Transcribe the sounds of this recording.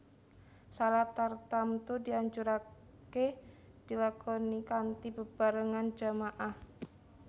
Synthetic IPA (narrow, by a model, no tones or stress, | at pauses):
salaht̪art̪amt̪udiaɲt͡ʃuɾa | ke | d̥ilakɔnikant̪ibəb̥aɾəŋand͡ʒamaʔah